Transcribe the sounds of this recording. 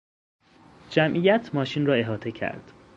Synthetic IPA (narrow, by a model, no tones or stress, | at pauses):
d͡ʒæmʔijæt̪ʰmɒːʃinrɒːe̞ɦɒːt̪ʰe̞cʰæ̰ɾd̪̥